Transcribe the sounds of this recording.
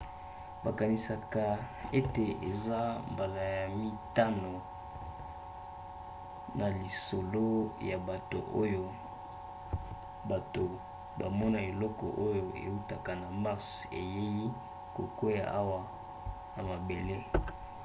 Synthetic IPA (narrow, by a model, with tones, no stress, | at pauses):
ba˨ka˨ni˨sa˨ka˨ | e˦te˨e˨za˦mba˨la˨ja˨mi˦ta˦no˨ | na˨li˨so˨lo˦ja˨ba˨to̰˨ʔo˦jo˦ | ba˨to˨ | ba˨mɔ˦na˨e˨lɔ˦kɔ̰˨ʔo˦jo˨ḛ˨u˦ta˨ka˨na˨ma˦ʁsḛ˨je˦ji˦ | ko̰˨ko˦ja̰˨ʔa˦wa˨ | na˨ma˨be˨le˦